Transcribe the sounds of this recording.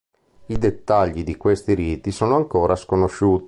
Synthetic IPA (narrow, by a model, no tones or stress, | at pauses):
id̪et̪ːaʎːid̪ikwest̪iɾiːt̪isoːnoaŋkoːɾaskonoʃːuːt̪